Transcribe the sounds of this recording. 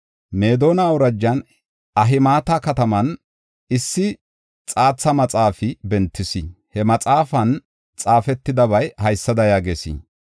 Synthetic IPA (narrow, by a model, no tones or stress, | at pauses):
meːd̪o̞ːnaʊɾɐd͡ʒːɐn | ʔɐɦɪmaːt̪akɐt̪ɐmɐn | ɪsːɪ | t͡sʼaːt͡sːɐmɐt͡sʼaːfɪbɛnt̪ːɪsɪ | hɛmɐt͡sʼaːfɐn | t͡sʼaːfɛt̪ːɪd̪ɐβɐjhɐjsːɐd̪ɐjaːɡeːsḭ